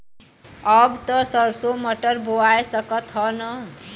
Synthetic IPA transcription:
əbt̪əsəɾsoməʈəɾbʱoajsəkət̪ɦʌnʌ

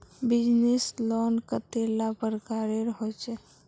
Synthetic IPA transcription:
bid͡ʒneslɔnkət̪elapəɾkaɾeɾɦot͡ʃɛ

